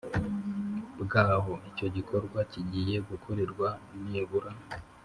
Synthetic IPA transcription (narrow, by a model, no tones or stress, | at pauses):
bɡaːɦo̞ico̞ɟikʰo̞ɾɡwaciɟije̞ɡukʰo̞ɾe̞ɾɡwaneːβuɾa